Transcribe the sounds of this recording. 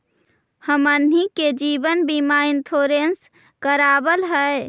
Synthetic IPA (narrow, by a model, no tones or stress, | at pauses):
həmənɦiked͡ʒiːbənbimaɪnt̪ʰoɾens | kəɾaːbəlɦəe